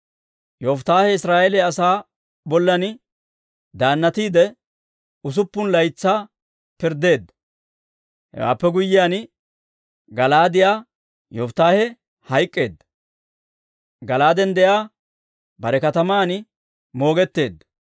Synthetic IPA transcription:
jɔft̪aːhɛɪsɾaːʔɛlɛɐsaː | bɔlːɐn | d̪aːnːɐt̪iːd̪ɛ | ʊs̬ʊpːʊnlɐjt͡sːaː | pɪɾd̪e̞ːd̪ːɐ | hɛ̰wa̰ːpːɛɡʊjːɪjaːn | ɡɐlaːd̪ɪjaː | jɔft̪aːhɛ | hɐjkʼːe̞ːd̪ːɐ̥ | ɡɐlaːd̪ɛnd̪ɛjaː | bɐɾɛkɐt̪ɐmaːn | mo̞ːɡɛt̪ːe̞ːd̪ːɐ̥

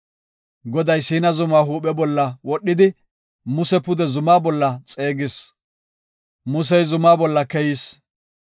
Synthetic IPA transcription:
ɡɔd̪ɐjsiːnɐzʊmaːɦuːpɛbɔlːɐwɔɗːɪd̪ɪ | mʊsɛpʊd̪ɛzʊmaːbɔlːɐt͡sʼe̞ːɡɪs | mʊs̬ɛjzʊmaːbɔlːɐkɛjis

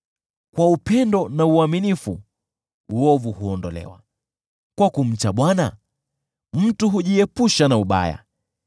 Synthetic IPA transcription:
kwaupɛndɔnauaminifṵ | uɔvuhuɔndɔlɛ̰wa̰ | kwakum̩t͡ʃaɓwana | m̩tuɦuʄiɛpuʃanauɓa̰ja̰

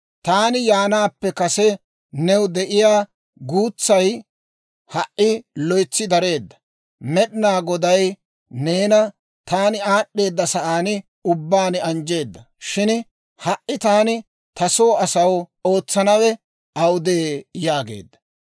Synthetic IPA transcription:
t̪aːnɪjaːnaːpːɛkɐsɛ | nɛwʊd̪ɛʔɪjaː | ɡuːt͡sːɐj | hɐʔʔɪlɔjt͡sːɪd̪ɐɾe̞ːd̪ːɐ̥ | mɛɗnaːɡɔd̪ɐj | ne̞ːnɐ | t̪aːnɪaːɗːe̞ːd̪ːɐsɐʔaːnɪ | ʊbːaːnɪɐnd͡ʒe̞ːd̪ːɐ | ʃɪn | hɐʔːɪt̪aːnɪ | t̪ɐsoːɐsɐwo̞ːt͡sːɐnɐwɛ | ɐwd̪eːjaːɡe̞̰ːd̪ːɐ̥

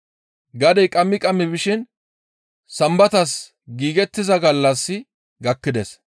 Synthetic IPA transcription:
ɡɐd̪ɛjkʼɐmːɪkʼɐmːɪbɪʃɪn | sɐmbɐt̪ɐs | ɡiːɡɛt̪ːɪzɐɡɐlːɐsːɪ | ɡɐkːɪd̪ɛs

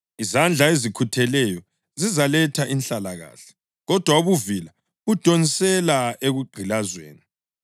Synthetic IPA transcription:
izand͡ɮʱaezikʰutʰɛlɛjɔ | zizalɛtʰaʔinɬalaɣa̰ːɬɛ̥ | ɣɔd̥ʱwauβuvila | ɣud̥ʱonisɛlaeɣuɡ͡ǃʱilazwḛːni

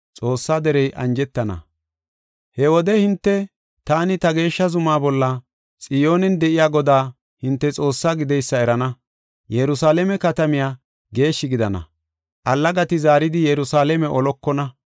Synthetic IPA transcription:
t͡sʼo̞ːsːaːd̪ɛɾɛjʔɐ̰nd͡ʒɛt̪ːɐnɐ̰ | hɛwɔd̪ɛhɪnt̪ːɛ | t̪aːnɪt̪ɐɡe̞ːʃːɐzʊmaːbɔlːɐ | t͡sʼɪjo̞ːnɛnd̪ɛʔɪjaːɡɔd̪aː | hɪnt̪ːɛt͡sʼo̞ːsːaːɡɪd̪ɛjsːɐɛɾɐnɐ | jɛɾʊsaːlɛmɛkɐt̪ɐmɪjaː | ɡe̞ːʃːɪɡɪd̪ɐnɐ̰ | ʔɐlːɐɡɐt̪ɪzaːɾɪd̪ɪjɛɾʊsaːlɛmɛʔɔlɔkːɔnɐ

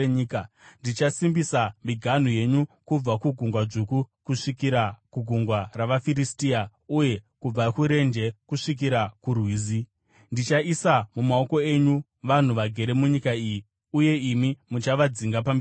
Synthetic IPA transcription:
ka | ndit͡ʃasimbisamiɡʱan̤uje̞ɲukub͡vakuɡʱuŋɡwaʐukukuʂikiɾakuɡʱuŋɡwaraʋafiristia | uje̞kub͡vakuɾe̞nd͡ʒe̞kuʂik̬iɾakurwiːzi | ndit͡ʃaisamumao̞ko̞e̞ɲu | ʋan̤uʋaɡʱe̞ɾe̞muɲikaiji | uje̞imimut͡ʃaʋad͡ziŋɡapami

